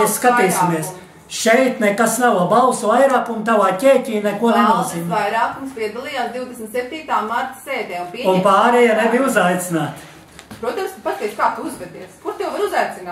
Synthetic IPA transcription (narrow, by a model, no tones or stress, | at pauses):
ssːkat̪iːsimiɛs | ʃɛjt̪nɛkasnawabalsuvajɾaːkunt̪̬awaːcʲɛːcʲiːnɛkuɔnemaːzimvajɾaːkumspiɛd̪ɐlˠijaːsd̪iwd̪esm̩t̪sep̚t̪iːt̪aːmaɾt̪ə̥seːd̪ɛːunpiɛunpaːɾɛjanebiuzajt̪sinaːt̪ | pɾuɔt̪amst̪pat̪ʲɛkʃkaːt̪uuzvɛd̪iɛskuɾt̪ɛwvaɾuzajt̪sɪnaː